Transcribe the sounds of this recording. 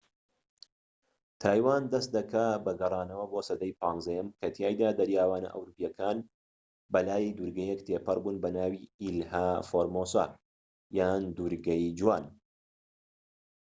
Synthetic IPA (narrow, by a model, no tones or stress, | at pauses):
t̪ʰaːjwaːnd̪ɐst̪̚d̪ɐkʰabɐɡɐrˤɑːnɐwɐbosɐd̪ɐjpʰaːŋɡzɐjɐmkʰɐt̪ʰjaːjd̪aːd̪ɐɾjaːwaːnɐ̰ʔɐ̰wɾupjɐkʰaːn | bɐlaːjd̪uːɾɡɐjekt̪ʰeːpɐrbuːnbɐnaːwiːilhaːfoɾmoːsa̰ː | jaːnd̪uɾɡɐjd͡ʒwaːn